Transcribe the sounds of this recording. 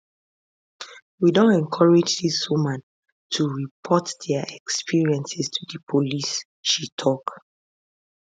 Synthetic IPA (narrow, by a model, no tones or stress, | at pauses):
widõntɛ̃ŋkʰɔɹɛd͡ʒdiswumãn | tʰuɹipʰɔtd̥ɛəʔɛkspiɹiɛ̃nsɛstʰudəpʰolis | ʃitʰɔk